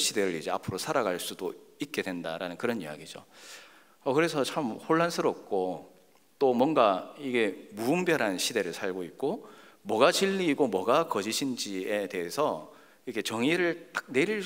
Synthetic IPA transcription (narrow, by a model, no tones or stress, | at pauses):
ɕʰide̞ɾɯɾid͡ʑe̞a̰pʰɯɾosʰaɾaɡaɭs͈udoik̚k͈e̞dwe̞ndaɾanɯnkɯɾʌnḭja̰ɡid͡ʑo̰ | ʌkɯɾe̞sʰʌt͡ɕʰamhoɭːansʰɯɾʌp̚k͈o | t͈omwʌnɡaiɡe̞muːmbjʌɾɦanɕʰide̞ɾɯɭsʰaɭɡoik̚k͈o | mwʌɡat͡ɕiʎːiːɡomwʌɡakʌd͡ʑiɕʰind͡ʑie̞te̞ɦesʰʌ | iɾʌkʰet͡ɕʌŋiɾɯɭt͈ḁk̚ne̞ɾiɭ